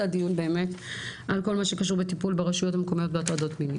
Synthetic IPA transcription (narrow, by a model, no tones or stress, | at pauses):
adijunbe̞ːme̞tʔalko̞lmaʃe̞kaʃuʁbetipulbeʁaʃujo̞tameko̞mijo̞t̚beatado̞tmini